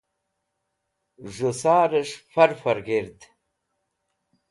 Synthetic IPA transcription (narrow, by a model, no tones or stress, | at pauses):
ʐusaːɾəʂfɐɾfɐɾɡiɾt̪